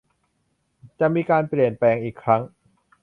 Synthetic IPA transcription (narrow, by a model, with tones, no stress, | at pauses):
t͡ɕa˨˩ʔmiː˧kaː˧npli˨˩ənplɛː˧ŋʔiː˨˩kʰːɾa˦˥ŋ